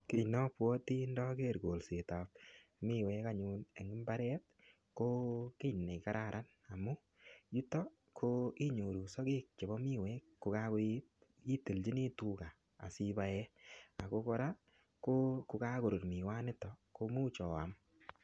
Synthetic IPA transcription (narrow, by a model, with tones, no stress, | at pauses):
kɪ˦nɔ˦pwɔ˦ti˦ndɔ˦ke˦˨ɾɡo˨lse˨ta˨p̚mɪ˦wɛ˦ka˦ɲu˦ne˨ŋɪ˦mba˦ɾɛ˦t | ko˦kɪ˦ne˨ka˦ɾʔa˨ɾʔa˦n | a˨mʊ˦ | ju˦tɔ˦ | kʰo˦i˦ɲo˨ɾu˨sɔ˦ɡɪ˦k̚t͡ʃe˨bɔ˦mi˦wɛ˦kkːʊ˨ka˦ko˦i˦t̚ | i˦te˨ld͡ʒi˦ni˦tu˦ka˨ | a̰˨si˦ba˦jɛ˦a˨ko˦kɔ˦ɾa˦ | ko˦kʊ˨ka˦ɡo˨ɾo˨tmi˨wa˦nɪ˦tɔ˨ko˦mu˦t͡ʃɔ˨a̰˨m